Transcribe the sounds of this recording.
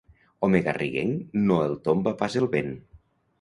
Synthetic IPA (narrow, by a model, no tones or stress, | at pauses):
ɔmeɣa̰rʔiɣḛŋnoelˠt̪ombapazelˠβen